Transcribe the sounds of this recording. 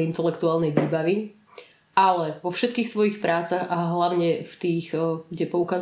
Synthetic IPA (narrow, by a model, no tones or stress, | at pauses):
int̪ɛlɛkt̪uaːlnɛjʋiːbaʋi | ʔalɛʋɔfʃɛt̪̚kiːxsʋɔjixpɾaːt͡saɣaɦlaʊɲɛft̪iːxɡɟɛpɔukaz